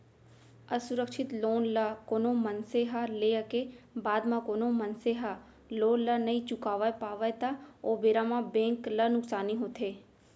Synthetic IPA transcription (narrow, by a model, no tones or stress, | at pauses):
əsʊɾəkʃɪt̪loːnlakoːnõmənseɦaleəkebaːd̪mãkoːnomɐnseɦa | loːnlənɐĩt͡ʃʊkaːʋəpaːʋəet̪aoːbeːɾamãbẽːŋklɐnʊksaːniɦoːt̪ʰeː